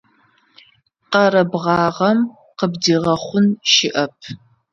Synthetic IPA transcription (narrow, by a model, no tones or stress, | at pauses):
qɐɾɐbʁɑːʁɐm | qəbdiːʁɐχʷʊnʃɪʔɐpʰ